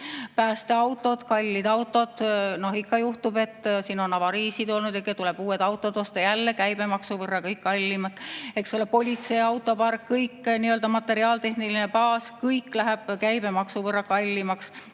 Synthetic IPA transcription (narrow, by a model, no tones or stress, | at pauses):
pæːst̪eɑwt̪ːˑo̞d̪̥kɑlʲːid̪̥ɑwt̪ːˑo̞d̪̥no̞ɦikːɑjuht̪ube̞t̪ːˑsiːno̞nɑvɑɾiːsid̪̥o̞lnud̪ekːˑet̪ule̞b̥uːed̪ɑwt̪ːˑod̪ost̪ɑjælːe̞kæjb̥e̞mɑksuvɤrːɑkɤjkːɑlʲːimɑt̪ːˑeksolepo̞lʲit̪se̞ɑwt̪ːˑo̞pɑrkːɤjkːniøld̪ɑmɑt̪ːe̞ɾiɑːlt̪e̞hnilinepɑːskɤjkːlæɦeb̥kæjb̥e̞mɑksuvɤrːɑkɑlʲːimɑks